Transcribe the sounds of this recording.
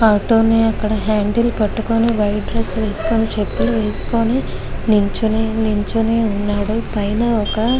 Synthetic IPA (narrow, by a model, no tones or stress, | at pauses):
aːʈoːniɐkːɐɽɐɦaːɳɖilpɐʈːukoniʋɐjɖɾesʋe̞ːsu̥koːnit͡ʃepːiʋe̞ːsu̥koːni | niɲt͡ʃuniniɲt͡ʃuneunːaːɽupɐjnɐɔkɐ